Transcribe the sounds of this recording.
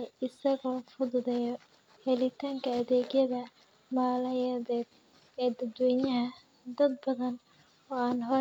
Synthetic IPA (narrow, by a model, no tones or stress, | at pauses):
ɪsɐɣɔːfʊðʊðɛjɔ | hɛlɪt̪ʰaːŋkʰɐːðɛːɡjɐðɐ | maːlɐjɐðɛːd̪̚ | ɛːd̪ɐd̪wɛːnɐɦɐ | d̪ɐd̪̚bɐðɐn | ɔːaːnɦɔ